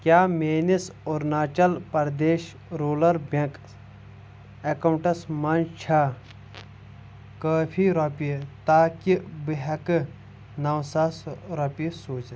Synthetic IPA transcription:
kʲjaːmeːnisoɾnaːt͡ʃɐlpɐɾd̪eːʃ | ɾoːlɐɾbɐ̃k | ɐkɐwɳʈɐsmɐnt͡ʃʰaː | kaːpʰiɾopit̪aːkibiɦɐk | nɐwsaːsɾɐpisuːt͡ʃ̪

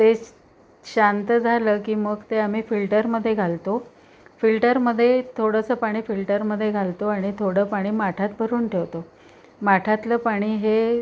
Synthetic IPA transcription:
t̪e | ɕant̪əd͡zʱaləːkiːməɡt̪eam̤iːfilʈəɾməd̪ʱːjeɡʱalt̪o | filʈəɾməd̪ʱːjet̪ʰoɽəsəːpaɽ̃iːfilʈəɾməd̪ʱːjeɡʱalt̪oaɽ̃it̪ʰoɽəːpaɽ̃iːmaʈʰat̪̚bʱəɾuːnʈʰeʋt̪o | maʈʰat̪ləpaɽ̃iːɦe

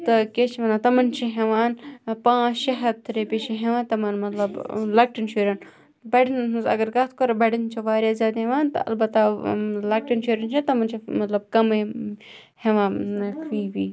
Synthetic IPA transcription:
t̪ɐket͡ʃʰimɐnaːt̪ɐmɐnt͡ʃʰiɦeʋaːnpãːʃɐɦɐd̪̚t̪ʰːɾepʲeʃiɦeʋãːnt̪ɐmɐnmɐt̪lɐblɐk̚ʈinʃʰuːɾʲɐn | bɐɖinnɦuzɐ̰ɡɐɾɡɐt̪ʰkoɾɐbɐɖint͡ʃʰiʋaːɾʲjaːzʲjaːd̪ɦeʋaːnt̪ɐ̰ɐ̰lbɐt̪ːalɐk̚ʈint͡ʃʰuːɾɐnt͡ʃʰit̪ɐmɐnt͡ʃʰimɐt̪lɐb̚kɐme | heʋãːkʰʋiːʋiː

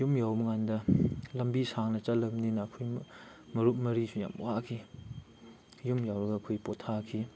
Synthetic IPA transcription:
jumjawmɐŋandɐlɐmbisʰaŋnɐt͡ʃɐlɐmninɐːkʰoj | mɐɾut̚mɐɾisuja̰mwakʰi | jumjawɾɐɡɐːkʰojpotʰakʰi

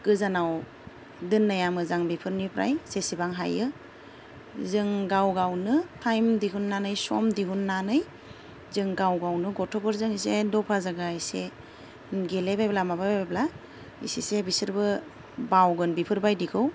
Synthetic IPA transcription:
ɡ̥ɯzanaw | dɯnːajamɯzaŋbipʰɯɾnipʰɾa̰jsesibaŋɦa̰jɯ | zɯŋɡawɡawnɯtʰajmdiɦunːanɯjsɔ̰mdiɦunːanɯj | zɯŋɡawɡawnɯɡɔtʰɔbʰɯɾzɯŋisedɔpʰazaɡaise | ɡelebajblamabajbaajbla | ḭsisebisɯɾbɯ | bawɡɯnbipʰɯɾbajdikʰɯw

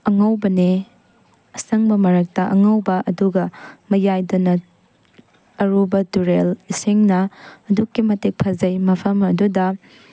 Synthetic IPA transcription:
ɐŋɐwbɐne | ɐsɐŋbɐmɐɾɐk̚tɐʔɐ̰ŋɐwbɐʔɐduɡɐmɐjajdonɐ | ɐɾubɐduɾeliseŋnɐːdukːimɐtek̚pʰɐzɐjmɐpʰɐmɐdudɐ

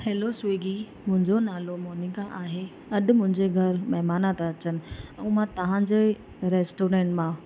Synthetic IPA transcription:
heːlosʋeːɡi | mʊ̃ɦɪ̃ɲd͡ʑonaːlomoːnikaʔaːɦe | ɐɗ̆mʊ̃ɦɪ̃ɲd͡ʑeɡʱɐɾmɐɦmaːnat̪aɐt͡ɕənɪ̆ɛ̃ːmãt̪ɐʋ̤ãɲd͡ʑeː | ɾeːsʈoːɾẽːɳʈmã

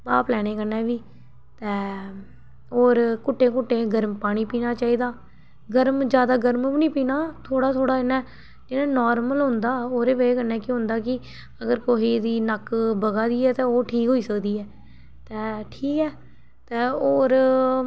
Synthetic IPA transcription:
paːplɛːɽ̃eːkəɾnɛ̃ːʋiː | t̪ɛ̃ː | oːɾkʊʈːẽːkʊʈːẽːɡəɾmpaːɽ̃iːpiːnaːt͡ʃaːiːd̪aː | ɡəɾmd͡ʒjaːd̪aːɡəɾmpniːpiːnaːt̪ʰoːɽaːt̪ʰoːɽaːd͡ʒɪnɛ̃ː | d͡ʒɪnɛ̃ːnɔːɾməlɦʊ̃nd̪aːoːɾeːʋəeːkənɛ̃ːkɪɦʊ̃nd̪aːkɪ | əɡəɾkoɦiːd̪iːnəkbəɡaːd̪iːɛːt̪ɛ̃ːoːʈʰiːkɦoːiːsəkd̪iːɛː | t̪ɛːʈʰiːkɛː | t̪ɛːoːɾ

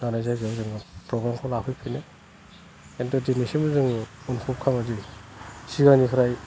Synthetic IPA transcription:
ɡanajzajɡewzɯŋpɾɔɡɾamkʰawlapʰɯjpʰine | entɔdinisimɯzɯŋɔnkʰɔp̚kʰaŋazi | siɡanikʰaɾaj

